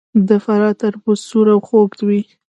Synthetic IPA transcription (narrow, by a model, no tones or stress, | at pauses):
d̪əfaɾɑt̪aɾbʊsuɾawxoɡd̪wi